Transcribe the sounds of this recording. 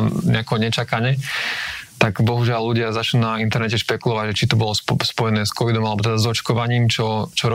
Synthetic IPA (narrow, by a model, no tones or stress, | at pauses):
ɲɛakɛɦɔɲɛt͡ʃakaɲɪɛ | t̪aɡbɔɦuʒɪalːuɟɪazat͡ʃlunaint̪ɛɾnɛcɛʃpɛkulɔʋaɟʒɛt͡ʃit̪ɔbɔlɔspɔjɛnɛːskɔʋid̪ɔmalɛbɔt̪ɛd̪azɔt͡ʃkɔʋaɲiːmt͡ʃɔt͡ʃɔɾ